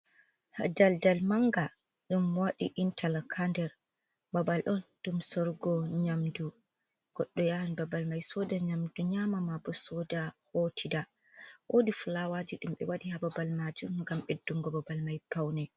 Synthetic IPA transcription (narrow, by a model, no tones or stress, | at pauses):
ha̰daldalmaŋɡa | ɗumːwaɗiʔintʰalkʰandɛɾ | babalʔɔnɗumsɔɾɡɔɲamdu | ɡ̥ɔɗːɔjawanbabalmajsɔdaɲamduɲamamabɔsɔdahotʰida | ʔodifulawad͡ʒiɗumɓɛ̰wadihababalmad͡ʒumŋɡamɓedːuŋɡɔbabalmajpawnɛ